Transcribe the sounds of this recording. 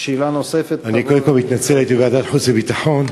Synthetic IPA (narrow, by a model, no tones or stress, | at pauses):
ʃiilanosefet̪anikold̪emkolmit̪nat͡selajet̪̬ibead̪at̪ħut͡sebit̪aħon